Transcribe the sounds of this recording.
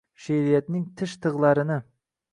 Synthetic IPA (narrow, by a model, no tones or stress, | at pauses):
ʃeɾijɛt̪nɪŋt̪ʰɪʃt̪ʰəʁlˠɑɾɨnɨ